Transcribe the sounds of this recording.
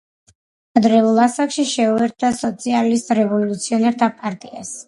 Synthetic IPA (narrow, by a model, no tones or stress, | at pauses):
ad̪ɾɛulˠasakʃiʃɛuɛɾt̪̚ʰd̪asɔt̪sʰialist̪ʼɾɛvɔlut̪sʰiɔnɛɾt̪ʰapʼaɾt̪ʼia̰s